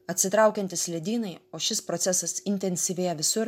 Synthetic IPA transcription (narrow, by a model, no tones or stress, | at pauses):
ɐt̪ʲsʲɪt̪ɾɑˑʊkʲɛnʲt̪ʲɪslʲɛd̪ʲiːnɐɪoːʃʲɪspɾoːsʲɛsɐsɪnʲt̪ʲɛnʲsʲiːʋʲejɛʋʲɪsʊɾ